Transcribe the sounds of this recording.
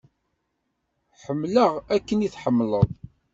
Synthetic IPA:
ħəmːləʁækːəniθħəmːləðˤ

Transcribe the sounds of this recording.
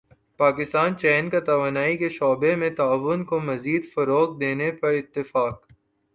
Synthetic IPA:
paːkɪst̪aːnt͡ʃɛːnkat̪ɐʋaːnaːikeʃɔːbemẽt̪aːʋʊnkomɐziːd̪fɐɾoːk̚d̪eːnepɐɾɪt̪ːɪfaːk̚

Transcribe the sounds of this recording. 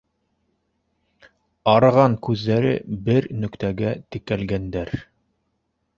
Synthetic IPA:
ɑɾɤʁɑŋkʉðːæɾɘ̰bɘɾnɵ̆kt̪æɡæt̪ɘ̆kælɡænd̪æɾ

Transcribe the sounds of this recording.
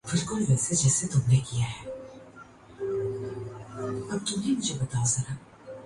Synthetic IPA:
b̥ɪlkʊlʋɛːsed͡ʒɛːset̪ʊmnekijaɦɛː | ɐb̚t̪ʊmɦemʊd͡ʒʱebɐt̪aosɐɾa

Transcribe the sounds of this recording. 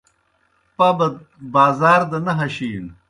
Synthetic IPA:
pabɐ | baːzaːɾd̪ɐnɐɦɐɕiːn

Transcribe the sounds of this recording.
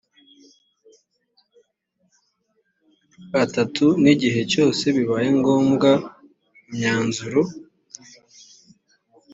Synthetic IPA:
atatʰuniɟiɦe̞co̞ːse̞βiβaːje̞ŋɡo̞ːmɡa | umɲaːnzuɾo

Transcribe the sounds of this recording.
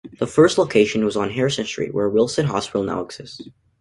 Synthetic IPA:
ðəfɜ˞stˡloʊkʰeɪʃɨ̃n̩wʌzn̩ɦɛɹsɛ̃nt͡ʃə˞ḭwə˞wɪlˠsɨ̃nɦɑ̰swəl̩ˠnæ̰lˠəksɨs

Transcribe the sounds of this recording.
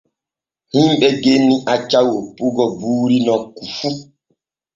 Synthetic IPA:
himɓɛɡenːiʔat͡ʃawopuɡɔbuːɾinɔkufu

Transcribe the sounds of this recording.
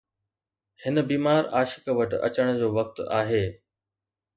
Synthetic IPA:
hɪnə̆biːmaːɾaːʃɪ̥kʋəʈɐ̰t͡ɕəɽ̃d͡ʑoːʋɐk̚t̪a̰ːɦeː

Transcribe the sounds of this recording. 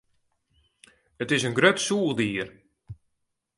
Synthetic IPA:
ətɪsənɡɾøtsuːlˠdiːər

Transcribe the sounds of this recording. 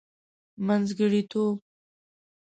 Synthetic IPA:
manzɡəɽit̪ʰoːb̚

